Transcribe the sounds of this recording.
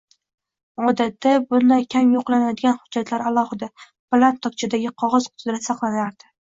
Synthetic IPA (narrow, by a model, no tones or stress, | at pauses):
ɒd̪at̪ʰːabʊnlajkʲʰamjoqlˠanad̪ɪɡʲanhʊd͡ʒːat̪ʰlaɾalˠɒhɨd̪a | plˠant̪ʰːɒk̚t͡ʃʰad̪aɡʲɪqʰɒʁɒz̥qʰʊ̥t̪ʰd̪ɾasɑqlˠanaɾd̪̥ɪ